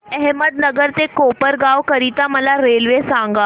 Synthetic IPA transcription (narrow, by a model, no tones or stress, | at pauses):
ɛɦməd̪̚nəɡəɾt̪ekopəɾɡaʋkəɾit̪aməlaɾelʋesãŋɡa